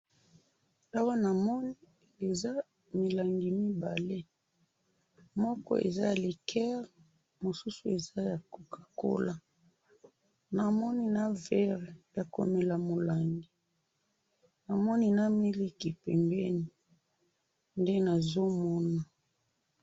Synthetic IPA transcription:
a˦wa˦na˨mɔ˦ni˦ | e˨za˦ | mi˨la˨ŋɡi˨mi˦ba˨le˦ | mɔ˦kɔ̰˦ḛ˨za˦ja˨li˨kʰɛ˦ʁ | mo˨su˦su˨e˨za˦ja˨ko˨kḁ˨ko̰˦la˦ | na˨mɔ˦ni˦na˦vɛ˦ʁja˨ko̰˨me˨la˨mo˨la˨ŋɡi˨ | na˨mɔ˦ni˦na˦mi˦li˦ki˨pɛ̰˨mbɛ˦ni˨ | nde˦na˨zo˦mɔ˦na˨

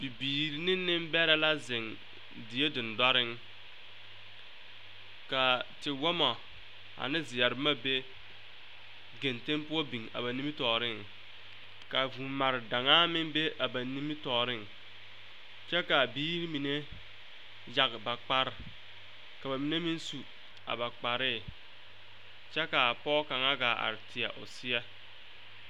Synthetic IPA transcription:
b̥i˨biː˨ɾi˨nɪ˦nːɪ˦m˦bɛ˦ɾɛ˦la˦zɪ˨ŋ | di˨je˦dɪ˨n˨da˦ɾɪ˦ŋ | ka˨tɪ˨wɔ˦mɔ˨ | a̰˨nɪ˦zɪ˨jɛ˨ɾɪ˨˦ma˦be˦ | ɡe˨nte˦mpʊ˦ɔ˦bi˨ŋa̰˨ba˨ni˦mi˦tɔː˨ɾɪ˦˨ŋ | ka˨vu˨ma˨ɾɪ˨da˨ŋaː˦mɪ˦ŋbe˦ʔa˨ba˨ni˦mi˦tɔː˨ɾɪ˦ŋ | t͡ʃɛ˦ka˨biː˦ɾi˦mi˨ne˦ | ja˨kba˨k͡pa˦ɾ | ka˨ba˨mi˨ne˦mi˦nsu˨ | a̰˨ba˨k͡pa˨ɾɪ˦˨ | t͡ʃɛ˦ka˨pɔː˦ka˨ŋa˦ɡa˨a̰˨ɾɪ˨tʰɪ˨a̰˨ʔʊ̰˨sɪ˦ɛ˦

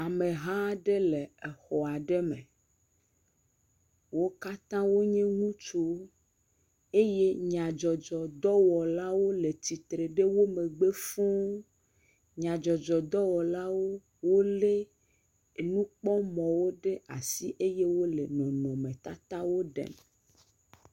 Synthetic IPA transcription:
a˨mẽ˨ɦã˦ɖe˦le˨e˨xɔ˨a˨ɖe˦mḛ̃˨ | wo˦ka˦t̪ã˦wo˦ɲɛ̃˦ŋũ˦t͡ʃo˦ | e˦je˦ɲã˨d͡ʒɔ˨d͡ʒɔ˨d̪ɔ˦wɔ˨la˦wo˦le˨t̪i˨t̪ɾe˨ɖe˦wo˦mẽ˨ɡ͡be˦fũ˦ | ɲã˨d͡ʒɔ˨d͡ʒɔ˨d̪ɔ˦wɔ˨la˦wo˦ | wo˦le˦˨ | nũ˦k͡pɔ˦mɔ̃˨wo˦ɖe˦a˨si˦ʔe˦je˦wo˦le˨nɔ̃˨nɔ̃˨mẽ˨t̪a˦t̪a˦wo˦ɖɛ̰˨m˨

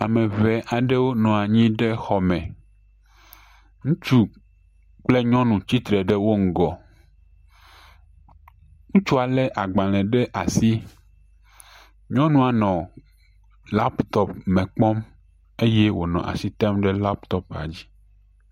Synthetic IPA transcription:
a˨mɛ̃˨vɛ˨ʔa˨ɖe˦wo˦nɔ̃˨a˨ɲĩ˦ɖe˦xɔ˨mɛ̃˨ | ŋũ˦t͡ʃu˦ | k͡ple˦ɲɔ̃˦nũ˨t͡ɕi˦t̪ɾɛ˨ɖe˦wo˦ŋ̩˨ɡɔ˨ | ŋũ˦t͡ʃu˦a˨lɛ˦ʔa˨ɡ͡ba˨l̃ɛ̃˨ɖe˦ʔa˨si˦ | ɲɔ̃˦nũ˦a˨nɔ̃˨ | la˦pt̪ɔ˦pmɛ̃˨k͡pɔ˦m | e˦je˦wo˨nɔ̰̃˨ʔa̰˨si˦t̪a˦mɖɛ˦la˦pt̪ɔ˦pa̰˨d͡ʑi˦

